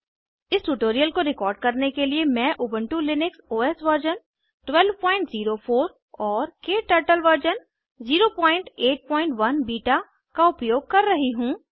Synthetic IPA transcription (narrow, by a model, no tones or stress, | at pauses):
ɪsʈuʈoːɾijəlkoɾɪkɔːɾɖ̚kɐɾnekeliemɛ̃ːʔʊːbə̃ɳʈulɪnɪksoːɛsʋəɾd͡ʒən | ʈwɛlʋpɔ̃ːɪ̃ɳʈziːɾofʰoːɾ | ɔːɾkeːʈəɾʈəlʋəɾd͡ʒən | ziːɾopɔ̃ːɪ̃ɳʈeːʈ̚pɔ̃ːɪ̃ɳʈʋɐnbiːʈa | kaʊpjoːɡ̚kɐɾːɐɦiɦũː